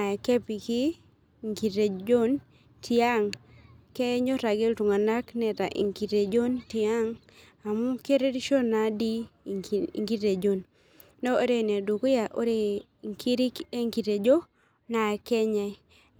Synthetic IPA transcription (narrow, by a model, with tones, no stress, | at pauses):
a˨ɛ˨kɛ˦pi˨kɪ˦ | ŋki˨te˨d͡ʒo˦n | tʰɪ˦a˦˨ŋke˦ɲɔ˦ɾa˨ɡe˦ltu˨ŋa˨na˦knɛ˨ta˨ʔḭ˨ŋki˨te˨d͡ʒo˦ntɪ˨a˦ŋ | a˨mu˦ke˦ɾe˦di˦ʃo˦na˨dḭ˦˨ | ŋki˦te˨d͡ʒo˦nː | o˦o˦ɾe˦˨ne˨du˨ko˦ja˨ʔo˦ɾe˦˨ | ŋkʰi˦ɾi˦e˦ŋki˨te˨d͡ʒo˦ | na˨ɛ˨kɛ˦ɲɛ˨